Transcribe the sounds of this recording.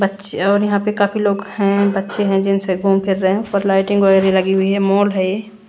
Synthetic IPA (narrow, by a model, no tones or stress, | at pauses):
bɐtːʃeɔːɾjɐɦãpekaːfʰiloːɡhɛ̃bɐtːʃeɦɛ̃d͡ʒɪnseɡʱuːmpʰɪɾːəɦɛ̃ʊpːəɾlaːɪʈɪ̃ŋɡʋɐɛːɾelɐɡiɦʊiɦɛmɔːlɦɛeː